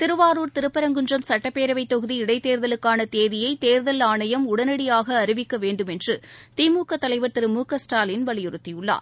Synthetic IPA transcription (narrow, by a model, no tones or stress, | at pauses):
t̪ɪɾɯʋaːɾuːɾt̪ɪɾɯpːɐɾɐŋɡɯndrɐmsɐʈːɐpːeːɾɐʋɐɪt̪ːɔɣɯðiɪɽɐɪt̪eːɾðɐlɯkːaːnɐt̪eːðɪjɐɪt̪eːɾðɐlaːɳɐjɐmʊɽɐnɐɽɪjaːɣɐːɾɯʋɪkːɐʋeːɳɖɯmɛndrɯt̪iːmuːkɐt̪ːɐlɐɪʋɐɾt̪ɪɾɯmuːkɐsʈaːlɪnʋɐɭɪjɯɾɯt̪ːɪjɯɭːa̰ːɾ